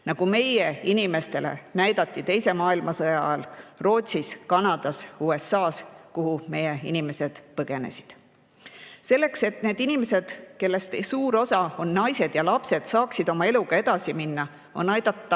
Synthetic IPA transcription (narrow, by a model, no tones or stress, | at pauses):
nɑɡ̥ume̞jeinime̞st̪e̞lḛnæjd̪̥ɑt̪ːˑit̪e̞jse̞mɑːilmɑsɤjɑɑlro̞ːt̪ʲsiskɑnɑd̪̥ɑsuːe̞sːɑːskuɦume̞jeḭnime̞se̞d̪̥pɤɡ̥e̞ne̞̰si̥d̪̥ | se̞lːe̞kse̞t̪neːd̪̥inimese̞d̪̥ke̞lːe̞st̪esuːɾo̞sɑo̞nːɑjse̞d̪̥jɑlɑpse̞d̪̥sɑːksid̪o̞mɑe̞luɡ̥ɑe̞d̪̥ɑsiminːɑ | o̞nɑjd̪̥ɑt̪ˑːɑ